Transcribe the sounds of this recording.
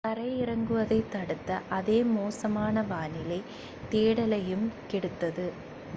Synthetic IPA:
kɐɾɐjɪɾɐŋɡɯʋɐðɐɪt̪ːɐɽɯt̪ːɐʔɐðeːmoːsɐmaːnɐʋaːnɪlɐɪ | t̪eːɽɐlɐjɯmkɛɽɯt̪ːɐðɯ

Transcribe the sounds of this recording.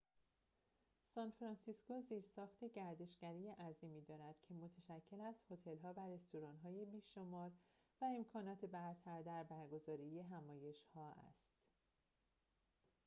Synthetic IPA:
sɒːnfɾɒnsisko̞ziːɾsɒːxt̪ʰe̞ɟæɾd̪e̞ʃɡ̥æɾiːjeʔæziːmiːd̪ɒːɾæd̪̥cʰe̞mot̪ʰeʃæcʰːe̞læst̪ho̞t̪ʰe̞lɦɒːvæɾe̞st̪oɾɒːnɦɒːje̞biːʃo̞mɒːɾ | væe̞mkʰɒːnɒːt̪ʰe̞bæɾt̪ʰæɾd̪æɾbæɾɡo̞zɒːɾije̞ɦæmɒːje̞ʃhɒːʔæ̰st̪

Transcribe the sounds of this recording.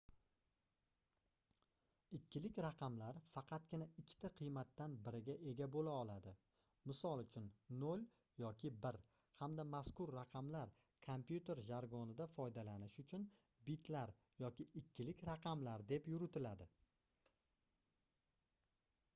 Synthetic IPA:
ɪkʲʰːɪlɪkʲɾɑqʰɑmlaɾfɑqʰɑt̪̚ɡʲɪnaɪkʲʰːt̪ʰaqʰɨjmat̪ːanbɪɾɪɡʲaʔe̞ɡʲabolaɒlˠad̪ɪ | mɪsɒlˠʊt͡ʃʰʊnnol | jɒkʲʰɪbɪɾ | hamd̪amaskʊɾːɑqʰɑmlaɾ | kʰompjut̪e̞ɾʒaɾɡɒnɪd̪afɒjd̪alanɪʃʊt͡ʃʰʊn | bɪt̪ʰlaɾ | jɒkʲɪɪkʲːɪlɪkʲɾaqʰɑmlaɾd̪e̞pjʊɾʊt̪ʰɪlad̪ɪ

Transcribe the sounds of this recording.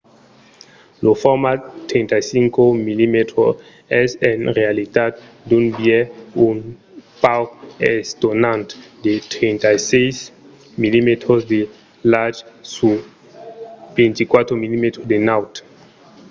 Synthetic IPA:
lofɔɾmat̪ɾẽnt̪ajsiŋkomilimet̪ɾo | ɛzenʁealit̪at̪ | d̪unbjeun | pawkɛst̪onãnt̪d̪et̪ɾint̪ajsejs | milimet̪ɾosd̪e | lad͡ʒsu | b̥ẽnt̪ikwat̪ɾomilimet̪ɾod̪enawt̪

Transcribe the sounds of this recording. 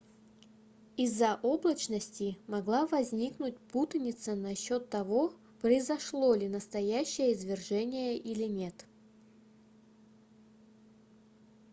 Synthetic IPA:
ɪzːɐʔoblˠət͡ɕnəsʲtʲɪmɐɡlˠavɐzʲnʲiknʊt̚ʲput̪ənʲɪt̪sənɐɕːot̪ːɐvo̞ | pɾəɪzɐʂlˠo̞lʲɪnəst̪ɐjæɕːɪjəɪzvʲɪrʐɛnʲɪjəʔilʲɪnʲe̞t̪

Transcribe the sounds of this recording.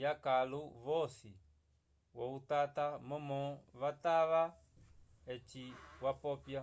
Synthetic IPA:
jakaluβɔsḭ | wɔut̪at̪amɔmɔβat̪aʋa | ɛt͡ʃiwapɔpja

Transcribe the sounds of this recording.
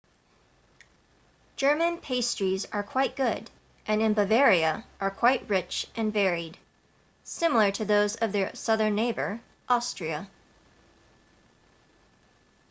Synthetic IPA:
d̥ʒ̥ɜ˞mɨ̃npʰeɪstɹ̥izə˞kʰw̥aɪt̚ɡ̥ʊɾ | ʔɨ̃nɨ̃nbəvɛɹiɨʔə˞kʰw̥aɪt̚ɹɪt͡ʃʔɨ̃nvɛɹid̥ | sɪ̃ml̩ˠə˞ɾɨðoʊzʌvðə˞sʌðə̃˞nːeɪbə̰˞ | ʔɑstɹ̥iɨ

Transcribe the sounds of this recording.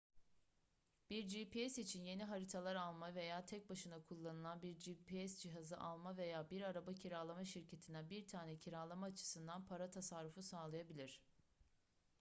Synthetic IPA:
b̥iɾd͡ʒiːpiɛsit͡ʃʰinje̞niɦaɾit̪ʰalˠaɾalˠmave̞jaːt̪ʰɛc̚baʃɯnakʰulˠːanɯlˠanbiɾd͡ʒiːpiɛsd͡ʒiɦazɯʔalˠmave̞jaːbiɾaɾabacʰiɾalˠamaʃiɾcʰe̞t̪ʰind̪æbiɾt̪ʰaːnɛcʰiɾalˠamaːt͡ʃʰɯ̥sɯnd̪anpʰaɾat̪ʰasaɾɾːufusaːlˠajabilʲiɾ̝̥

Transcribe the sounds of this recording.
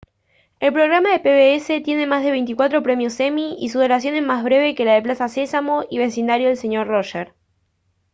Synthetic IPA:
e̞lpɾo̞ɣɾamaðepeβeese̞t̪je̞ne̞mazð̞e̞β̞e̞jnt̪ikwat̪ɾo̞pɾe̞mjose̞miisuðo̞lɾasjo̞nezmazβɾe̞β̞e̞ke̞laðeplasase̞samo̞ʔiβ̞e̞sind̪aɾjoðelse̞ɲo̞ɾroʃeɾ

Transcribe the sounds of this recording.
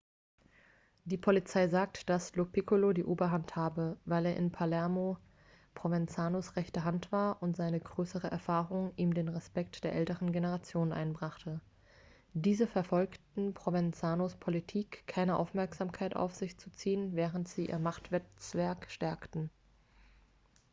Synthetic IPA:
d̥iːpʰolit͡saɪzaːk̚td̥aslopikulodiːʔoːbɐɦanthaːbəvaɪleːɐʔɪnpʰalɛɐmo | pʁ̥ovɛnt͡saːnosʁɛçtəɦantv̥aːɐʔʊntz̥aɪnəɡʁøːsəʁəʔɛ̰ɐfaːʁʊŋʔiːmdeːnʁɛspɛktd̥eːɐʔɛltəʁənɡenəʁat͡sjoːnənʔa̰ɪnbʁaχtə | diːzəfɛɐfɔlktn̩pʁ̥ovɛnt͡saːnospʰolitʰiːkʰːaɪnəʔa̰ʊfmɛɐkz̥aːmkʰaɪtʔa̰ʊfz̥ɪçt͡su̥t͡siːənvɛːʁəntz̥iːʔḭːɐmaχtv̥ɛt͡sv̥ɛɐkʃtɛɐktn̩

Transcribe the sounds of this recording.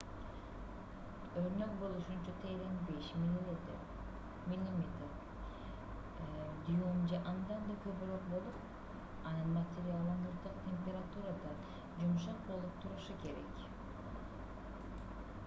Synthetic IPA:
øɾnø̞k̚bo̞lˠuʃunt͡ʃut̪ʰejlenbeʃm | milʲimʲet̪ɾ | d̪iomd͡ʒɑʔɑnd̪ɑnd̪akøbyɾoq̚bo̞lˠup | ɑnɯnmat̪ʲeɾialˠːɑnuɾt̪ɯqt̪ʲʰe̞mpʲe̞ɾat̪uɾad̪ɑn | d͡ʒumʃɑq̚bo̞lˠup̚t̪ʰuɾuʃuke̞ɾek

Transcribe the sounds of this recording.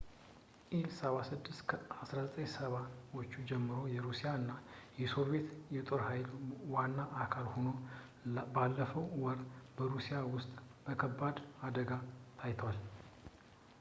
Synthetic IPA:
ʔilsəβasɨd̪ːɨst̪kʰəasɾazət̪ʼəɲsəβat̪ot͡ʃːud͡ʒɛmːɨɾo̞jɛɾusijaɨnːajɛso̞ɾbe̞t̪jɛt̪ʼo̞ɾhajlwanːaʔakʰalho̞no̞ | balːəfəwwɔɾbəɾusijawʊst̪ʼb̥əkʰəbːad̪ad̪əɡat̪ʰajt̪ʰəwal

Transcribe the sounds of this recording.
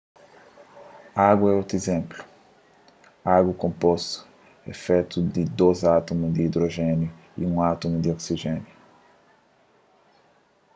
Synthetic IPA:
aɡɛot̪ɾezẽmplu̥ | aɡukõmpɔst̪u̥ | ɛ̰fɛt̪ud̪id̪ozat̪omuzd̪iːd̪ɾoʒɛnju | ḭũat̪umud̪iɔksiʒɛ̃nju

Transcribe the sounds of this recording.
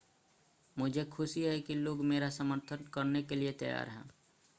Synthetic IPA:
mʊd͡ʒʱekʰʊsiɦɛkiloːɡmeːɾasəməɾt̪ʰənkəɾnekeliet̪əja̰ːɾɦɛ̰̃ː

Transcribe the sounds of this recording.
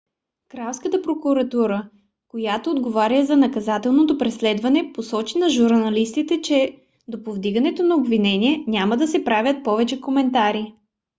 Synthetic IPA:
kɾawskət̪əpɾokuɾɐt̪uɾə | kojat̪oːd̪ɡovaɾʲəzɐnɐkɐzat̪ɛlˠnot̪opɾɛslɛd̪vɐnɛposɔt͡ʃinɐʒuɾnɐlist̪it̪ɛt͡ʃɛ | d̪opovd̪iɡɐnɛt̪onɐobvinɛnʲiɛnʲamɐd̪ɐsɛpɾavʲjət̪̚pɔvɛt͡ʃɛkomɛnt̪aɾi

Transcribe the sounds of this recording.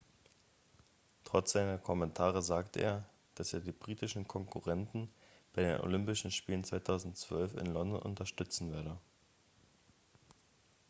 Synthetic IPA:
tʁ̥ɔt͡sz̥aɪnɐkʰɔmɛntʰaːʁəzaːktəʔḛːɐ | d̥asḛːɐdiːbʁiːtɪʃn̩kʰɔŋkʰuʁɛntn̩b̥aɪdḛːnʔo̰lʏmpɪʃn̩ʃpiːlənt͡sv̥aɪtʰaʊzn̩tt͡sv̥œlfɪ̰nlɔndɔnʔʊ̰ntɐʃtʏt͡sn̩veːɐdə

